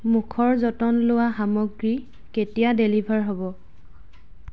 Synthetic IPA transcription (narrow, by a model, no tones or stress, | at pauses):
mukʰɔɹzɔtɔnlʊwaɦamɔɡɹi | ketijadelibʱaɹɦobɔ